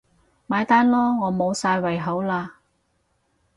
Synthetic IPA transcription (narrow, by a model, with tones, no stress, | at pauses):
maː˨˧jt̪aː˥nlɔː˥ŋɔː˨˧mo˨˧wsaː˧jwɐ˨˩jɦo˨˥wlaː˧